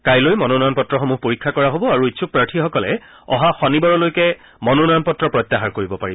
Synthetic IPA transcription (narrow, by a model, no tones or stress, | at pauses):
kajlojmɔnonɔjɔnpɔtɹɔxɔmuɦpoɹikʰːakɔɹaɦobɔaɹuitːsʰupɹaɹʈʰixɔkɔlɛ̰ | ɔ̰ɦaxɔnibɔɹɔlojkɛ | mɔnonɔjɔnpɔtɹɔpɹɔjt̪ːaɦaɹkoɹibɔpaɹib